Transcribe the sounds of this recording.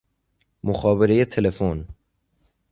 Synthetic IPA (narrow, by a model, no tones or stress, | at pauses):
moxɒːbeɾejet̪ʰe̞lefon